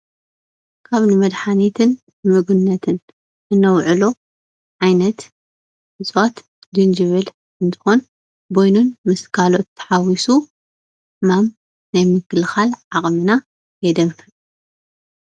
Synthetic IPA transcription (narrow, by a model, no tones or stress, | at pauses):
kʰaβnɨmɐd̪ħanit̪ʰɨn | mɨɡunːɐt̪ʰɨn | ʔɨnːɐwʕɨlo̞ | ʕajnɐt̪ | ɨzʼwat̪ | d̪ɨnd͡ʒɨβɨl | ɨnt̪ʰɨ̥xo̞n | bojnunmɨskʰalo̞t̪ːɐ̥ħawisu | mam | najmɨkʰːɨlxalʕaχʼmɨna | jɛd̪ɐmfɨ